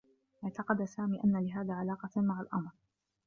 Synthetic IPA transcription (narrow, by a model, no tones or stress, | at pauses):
ʔɪʕt̪ɑqɑd̪asaːmiːʔanːalɪɦaːðaːʕalɑːqɑmaʕalʔɑmɾ